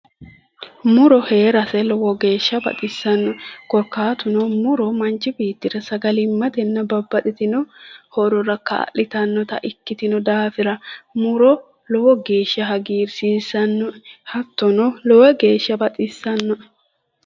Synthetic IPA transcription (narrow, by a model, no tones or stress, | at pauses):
mʊɾɔhe̞ːɾɐsɛlɔwɔɡe̞ːʃːɐbɐ̰t̪ʼɪsːɐnːɔkɔɾkːaːt̪ʊnɔmʊɾɔmɐnt͡ʃːɪbiːt̪ːɪɾɐsɐɡɐlɪmːɐt̪ɛnːɐbɐbːɐt̪ʼɪt̪ɪnɔhɔɾɔɾɐkɐ̰ːʔɪt̪ɐnːɔt̪ɐ̰ʔɪkːɪt̪ɪnɔd̪aːfɪɾɐmʊɾɔ | lɔwɔɡe̞ːʃːɐɦɐɡiːɾsiːsɐnːɔhɐt̪ːɔnɔlɔwɛɡe̞ːʃːɐbɐt̪ʼɪsːɐnːɔ